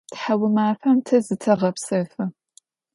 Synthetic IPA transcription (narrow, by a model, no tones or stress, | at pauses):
tħawɨmaːfɐmtʰɐzɨtʰɐʁɐpsɐfɐ